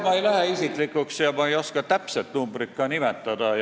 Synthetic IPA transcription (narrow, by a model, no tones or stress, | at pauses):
mɑejlæheisiklikːˑuksjɑmɑejo̞skɑt̪æpselt̪numbrik̪ːɑnimet̪ːˑɑd̪̥ɑ